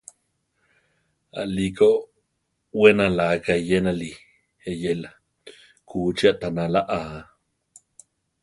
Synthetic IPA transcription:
a̰ʔliko | wenalakajenali | hejela | kʰut͡ʃiaʔt̪analaʔa

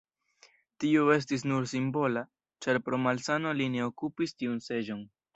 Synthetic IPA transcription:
tioe̞s̬tis̬nuɾsimbo̞la | t͡ʃaɾpɾo̞malsano̞line̞o̞kupistiunse̞d͡ʒo̞n

